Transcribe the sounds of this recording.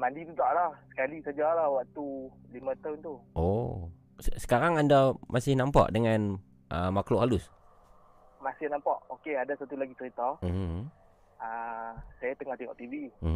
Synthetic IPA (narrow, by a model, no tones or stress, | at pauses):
madit̪ut̪aʔlahsə̥kalisad͡ʒalahwaʔt̪ulimãt̪awnt̪uʔo | səsə̥kaɾaŋandamʔasɪhnampa̰ʔdəŋan | ʔə̰makloʔɦalʊs | masɪhnampaʔokeadasat̪ulaɡit͡ʃəɾit̪am̩ɦ | asajat̪əŋɔht̪iŋɔʔt̪ivi